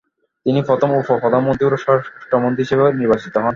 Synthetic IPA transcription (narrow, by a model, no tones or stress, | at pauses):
t̪inifɔt̪omufofɔd̪ʱamont̪iuɾoʃɔʈomont̪ɾiʃebeeniɾbat͡ɕit̪oɦɔn